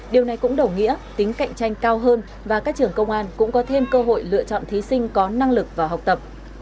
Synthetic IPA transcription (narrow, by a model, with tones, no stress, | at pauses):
ɗi˨˩əwna˨˩jkʊ̰˧˥ŋ͡mɗə˨˩wŋḭ˧˥ət̪ï˨˦ŋ̟ka̰˧˨jŋ̟t͡ɕa˧jŋ̟kaː˧wɦəː˧n | vaː˨˩kaː˦˥k̚t͡ɕɨ˨˩əŋkə˧wŋ͡mʔaː˧nkʊ̰˧˥ŋ͡mkɔ˨˦t̪ʰe˧mkəː˧ɦo̰˧˨jlɨ̰˧˨t͡ɕɔ̰˧˨nt̪ʰi˨˦sï˧ŋ̟kɔ˨˦na˧ŋlɨ˨˩k̚vaː˨˩ɦa˨˩wk͡p̚t̪ə˨˩p̚